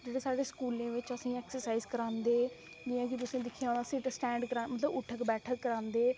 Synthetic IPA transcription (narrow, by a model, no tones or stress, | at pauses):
d͡ʒeːɽeːsaːɽeːskuːlẽːʋɪt͡ʃəsĩːɛːksəɾsaːiːzkəɾãːnd̪eː | d͡ʒiːãːkit̪ʊsẽːd̪ɪkʰːjaːoːnaːsɪʈsʈɛ̃ːɳɖkəɾãːmət̪ləbʊʈʰːəkbɛːʈʰəkːəɾãːnd̪eː